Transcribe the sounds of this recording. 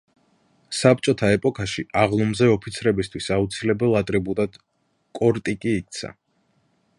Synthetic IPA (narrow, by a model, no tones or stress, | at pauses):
sap̚ʰt͡ʃʼɔt̪ʰaɛpʼɔkʰaʃiʔaʁlˠɔmzɛɔpʰit̪sʰɾɛbis̬t̪ʰwisaut̪sʰilɛbɛlˠat̪ʼɾibud̪ad̪̥ | kʼɔɾt̪ʼikʼiːk̚t̪sʰa̰